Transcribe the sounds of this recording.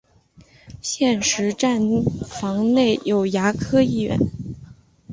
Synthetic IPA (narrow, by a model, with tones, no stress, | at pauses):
ɕjɛ˥˩nʂɻ̩˧˥ʈ͡ʂa˥˧nfɑ˧˥ŋne˥˩ɪjo˨˩ʊja˧˥kʰɤ˥i˥˩ɥɛ̰˧˥n